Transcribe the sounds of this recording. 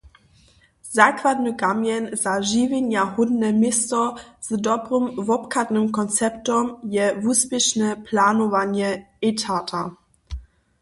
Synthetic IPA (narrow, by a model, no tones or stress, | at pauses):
zaːkvadnəɡamjɛnzaʒiːvenjahʊdnɛmɪstɔz̥dɔbʁəmvɔpkʰadnəmkʰɔnt͡sɛptɔmjɛvuːspɛʃnəpʰlaːnɔvanjɛ | etʰatʰa